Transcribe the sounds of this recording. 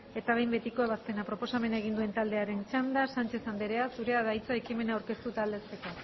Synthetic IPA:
e̞t̪aβ̞e̞jmbe̞t̪iko̞e̞βaspe̞napɾo̞po̞same̞naeɣ̞ind̪ue̞nt̪ald̪e̞aɾe̞nt͡ʃand̪asant͡ʃe̞sand̪e̞ɾe̞asuɾe̞aðajt͡saekime̞naawɾke̞st̪ut̪aːld̪e̞st̪e̞ko

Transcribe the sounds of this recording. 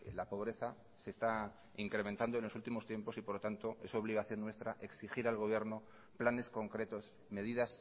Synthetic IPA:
lapo̞β̞ɾe̞θa | se̞ːst̪a | iŋkɾe̞ment̪and̪oe̞nlo̞sult̪imo̞st̪je̞mpo̞sipoɾlot̪ant̪o̞e̞soβ̞liɣ̞aθjo̞nːwe̞st̪ɾaʔe̞ksixiɾalɣo̞β̞je̞ɾno̞ | plane̞sko̞ŋkɾe̞t̪o̞s | me̞ðiðas

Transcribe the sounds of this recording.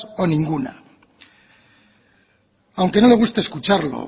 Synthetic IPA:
o̞nĩŋɡuna̰ | awŋke̞no̞le̞ɣ̞ust̪eskut͡ʃaɾlo̰

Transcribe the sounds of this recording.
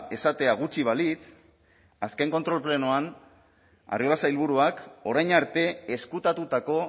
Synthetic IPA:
e̞sat̪e̞aɣ̞ut͡ʃiβ̞alit͡s | aske̞ŋko̞nt̪ɾo̞lple̞noan | a̰rio̞lasailβ̞uɾuako̞ɾajɲaɾt̪e̞eskut̪at̪ut̪ako̞

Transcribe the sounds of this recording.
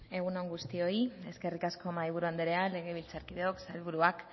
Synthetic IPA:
e̞ɣ̞unoŋɡust̪io̞ie̞ske̞rikasko̞maiβ̞uɾuand̪eɾe̞ale̞ɣ̞e̞β̞ilt͡saɾkiðeoksalβuɾuak

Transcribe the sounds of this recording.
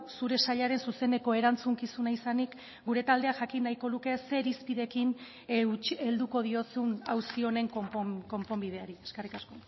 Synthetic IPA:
suɾe̞saʎaɾe̞nsuse̞ne̞ko̞e̞ɾant͡suŋkisunaisanik | ɡuɾe̞t̪ald̪e̞aʝakinːajko̞luke̞se̞ɾispiðe̞kin | t͡ʃe̞ld̪uko̞ð̞io̞sunawsio̞ne̞ŋkompomko̞mpo̞mbið̞e̞aɾieskerikasko̞

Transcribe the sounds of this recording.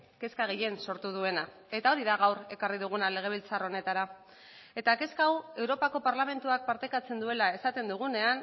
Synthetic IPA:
ke̞skaɣ̞eje̞nso̞ɾt̪uð̞ue̞na | e̞t̪ao̞ɾiðaɣ̞awɾe̞kariðuɣ̞unale̞ɣ̞e̞β̞ilt͡saro̞ne̞t̪aɾa | e̞t̪ake̞skawe̞wɾo̞pako̞paɾlame̞nt̪uak̚paɾt̪e̞kat͡se̞nd̪ue̞lae̞sat̪e̞nd̪uɣ̞une̞an

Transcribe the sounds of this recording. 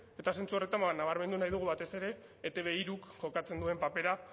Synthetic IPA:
e̞t̪ase̞nt͡suore̞t̪ambanːaβ̞aɾme̞nd̪unajðuɣ̞uβat̪e̞se̞ɾe̞ː | t̪e̞β̞e̞iɾukʝo̞kat͡se̞nd̪ue̞mpape̞ɾa

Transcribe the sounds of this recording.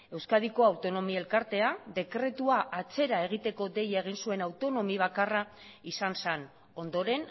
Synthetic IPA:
e̞wskaðiko̞awt̪o̞no̞mie̞lkaɾt̪e̞aðe̞kɾe̞t̪uaʔat͡se̞ɾae̞ɣ̞it̪e̞ko̞d̪e̞jae̞ɣ̞insue̞nawt̪o̞no̞miβ̞akara | isansen | o̞nd̪o̞ɾe̞n

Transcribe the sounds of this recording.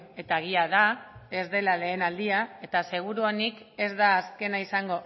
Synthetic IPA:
e̞t̪aeɣ̞iaðae̞zðe̞lale̞ːnald̪iae̞t̪ase̞ɣ̞uɾuonike̞zðaːske̞naisaŋɡo̞

